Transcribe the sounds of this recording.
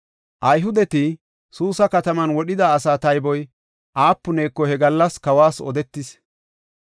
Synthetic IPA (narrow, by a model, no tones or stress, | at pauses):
ʔɐjɦʊd̪ɛt̪ɪ | suːsɐkɐt̪ɐmɐnwɔɗɪd̪ɐːsaːt̪ɐjbɔj | ʔaːpːʊneːkːɔhɛɡɐlːɐskɐwaːsɔ̰d̪ɛt̪ːɪs